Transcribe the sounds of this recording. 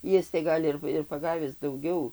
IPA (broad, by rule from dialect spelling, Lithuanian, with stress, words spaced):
ˈjɪs tɐɪ ˈɡɐlʲ ɪr ɪr pɐˈɡɑːʋʲɪs dɐʊˈɡʲɛʊ